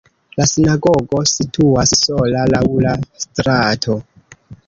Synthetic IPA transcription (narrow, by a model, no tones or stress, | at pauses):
lasinaɡoɡo̞sitʰuasso̞lalawlastɾatʰo̞